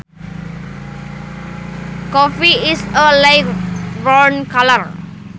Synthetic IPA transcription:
kɔfiisəlajkɹɔ̃nkaləɹ

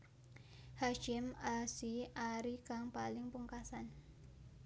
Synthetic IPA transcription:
haʃɪmasiaɾikaŋpalɪŋpuŋkasan

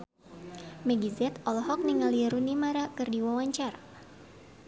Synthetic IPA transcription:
mɛɡizɛt̪ɔlɦɔk̚niŋaliɾunimaɾakɨrdiwawaɲt͡ʃaɾa

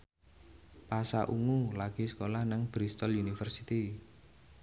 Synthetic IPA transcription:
pasaʔuŋulaɡ̥i̤skolahnaŋb̥ɾist̪ɔljunifərsit̪i

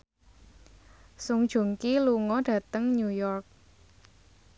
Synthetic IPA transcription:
sʊŋd̥ʒ̥o̤ŋkiluŋɔɖ̥ä̤t̪əŋɲujɔrk̚

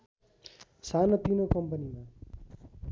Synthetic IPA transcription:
saːnəp̪iːnõːkəmpəniːmãː

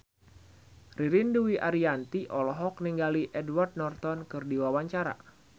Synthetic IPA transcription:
riɾinduwiʔaɾiant̪iʔɔlɔɦɔk̚niŋɡaliʔɛdward̪̚nɔrt̪ɔnkɨrdiwawaɲt͡ʃaɾa̰

